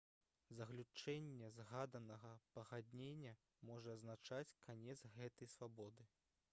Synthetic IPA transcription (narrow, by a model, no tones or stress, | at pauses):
zɐɣlʲut͡ʂɛnʲːɛzɣad̪ɐnɐɣɐpɐɣad̪ʲnʲenʲːɐ | mɔʐɐɐznat͡ʂat͡sʲkʰanʲɛd̪zɣɛt̪ɐjsvabɔd̪ɨ